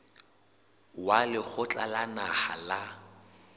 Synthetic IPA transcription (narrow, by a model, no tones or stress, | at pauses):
walɪk͡xʊt͡ɬʼalanaχa̰la